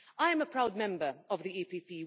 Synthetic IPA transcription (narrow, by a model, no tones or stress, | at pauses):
aɪɨ̃məpʰɹ̥aʊd̚mɛ̃mbə˞əvðiipipiː